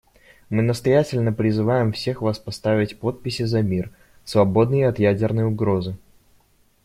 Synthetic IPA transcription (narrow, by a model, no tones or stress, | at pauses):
mɨnəst̪ɐjætʲɪlʲnəpɾʲɪzɨvajɪmfsʲe̞xvaspɐst̪avʲɪtʲpo̞t̪̚pʲɪsʲɪzɐmʲir | svɐbo̞d̪nɨjəɐt̪jædʲɪrnəjʊɡɾo̞zɨ